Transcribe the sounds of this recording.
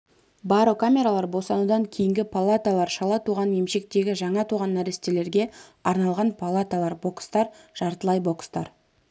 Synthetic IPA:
bɑɾokʰamʲe̞ɾalˠɑɾbosɑnud̪ɑŋkʲʰejɪŋɡʲɪpʰalˠat̪alˠɑɾʃɑlˠɑt̪ʰuʁɑnje̞mʃe̞k̚t̪e̞ɡʲɪʒɑɴɑt̪ʰuʁɑnːæɾest̪e̞le̞ɾɡʲe̞ɑɾnɑlˠʁɑnpʰalˠat̪alˠɑɾbo̞kst̪ɑɾʒ̥ɑɾt̪əlˠɑjbo̞kst̪ɑɾ

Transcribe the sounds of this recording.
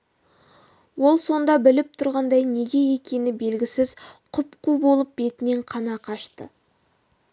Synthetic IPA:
wo̞lˠso̞nd̪ɑbɪlɪp̚t̪ʰʊɾʁɑnd̪ɑjne̞ɡʲe̞je̞kʲe̞nɪbe̞lɡʲɪsɪzqʰʊpqubo̞lˠəp̚be̞t̪ɪne̞ɴqʰɑnɑqʰɑʃt̪ə̰

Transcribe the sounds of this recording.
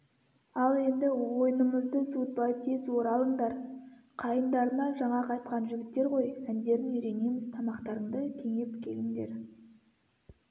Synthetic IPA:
ɑlˠe̞nd̪ɪwo̞jnəməzd̪əsut̪̚bɑjt̪ʰeswo̞ɾɑlˠəɴd̪ɑɾqʰɑjənd̪ɑɾənɑʒɑɴɑqʰɑjt̪qɑnʒʏɡʲɪt̪ːe̞ɾʁo̞jænd̪e̞ɾɪŋʏɾe̞ne̞mɪz̥t̪ʰɑmɑqt̪ɑɾəɴd̪əkʲʰe̞ŋe̞pkʲʰe̞lɪŋd̪e̞̰ɾ

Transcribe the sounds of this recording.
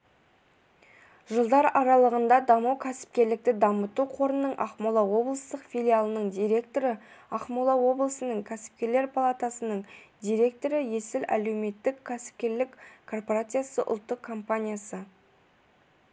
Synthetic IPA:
ʒəlˠd̪ɑɾɑɾɑlˠəʁənd̪ɑd̪ɑmuwkʲʰæsɪ̥p̚kʲe̞ɾlɪk̚t̪ɪd̪ɑmət̪uqʰo̞ɾənːəɴʔɑ̰qmulˠɑwo̞blˠəst̪əqfʲilʲijalˠənəɴd̪ijɾe̞kt̪o̞ɾəɑqmulˠɑwo̞blˠəsənəɴkʲʰæsɪ̥p̚kʲe̞ɾle̞ɾpʰalˠat̪asənəɴd̪ijɾe̞k̚t̪o̞ɾəje̞sɪlʔæ̰le̞wme̞t̪ːɪkʲʰːæsɪ̥p̚kʲe̞ɾlɪkkʰo̞rpoɾat̪sɨjasəʔʊ̰lˠt̪ːəqʰːo̞mpanʲijasə

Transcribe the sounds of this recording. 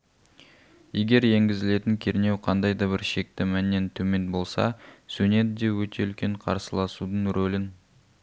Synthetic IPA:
je̞ɡʲe̞ɾje̞ŋɡʲɪzɪle̞t̪ɪŋkʲʰe̞ɾne̞wqʰɑnd̪ɑjd̪ɑbɪɾʃe̞k̚t̪ɪmænːe̞nt̪ʰɵme̞nbo̞lˠsɑ̰sune̞d̪ɪd̪e̞wɵt̪e̞ʏlkʲe̞ɴqʰɑ̰ɾsəlˠɑsud̪əɴɾʔolɪn

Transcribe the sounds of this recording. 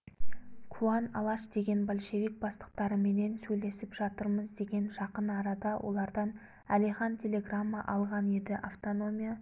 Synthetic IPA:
kʰuanɑ̰lˠɑʃd̪e̞ɡʲe̞nbolʲʃe̞vik̚bɑst̪ə̥q̚t̪ɑɾəme̞ne̞nsɵjle̞sɪpʒ̥ɑt̪əɾməzd̪e̞ɡʲe̞nʒɑqənɑɾɑd̪ɑwʔo̞̰lˠɑɾd̪ɑn | ælijχɑnt̪ʲʰe̞lʲe̞ɡramːəʔɑlˠʁɑnjed̪ɪʔaft̪o̞no̞mʲija

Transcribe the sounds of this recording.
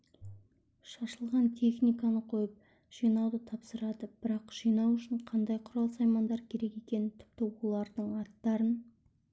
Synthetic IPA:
ʃɑʃəlˠʁɑnt̪ʰe̞χnijkanəqʰo̞jəp̚ | ʒ̥ijnɑwd̪ət̪ʰɑpsəɾɑd̪əb̥ɪɾɑqʒ̥ijnɑwʏʃɪɴqʰɑnd̪ɑjqʰʊɾɑlˠsɑjmɑnd̪ɑɾkʲʰe̞ɾe̞ke̞kʲe̞nɪt̪ʰɪ̥pt̪ɪwolˠɑɾd̪əɴɑt̪ːɑɾən

